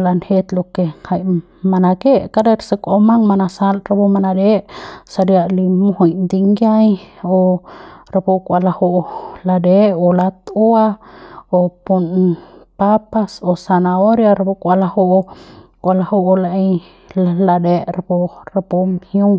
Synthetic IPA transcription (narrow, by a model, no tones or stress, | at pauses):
lanhet̪lokehaj | manakeʔkaɾeɾsəkʼomaŋmanasalɾapumanadeʔsaɾjaʔlimohujnd̪iŋɡjajo | ɾapukʷʼalahoʔladeʔolat̪uaopunpapasosanaoɾjaɾapukʷʼalahoʔkʷalahuʔlaʔej | laladeʔɾapoɾapomhjuŋ